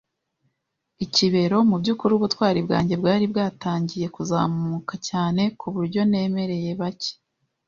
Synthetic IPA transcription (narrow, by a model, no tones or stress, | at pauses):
iciβe̞ɾo̞mubɟuːkuɾuːβutwaːɾibɡa̰ːɲɟe̞bɡaːɾibɡaːtaːɲɟije̞kuza̰ːmmukacaːne̞kuβuɾɟo̞ne̞ːme̞ɾe̞je̞βace̥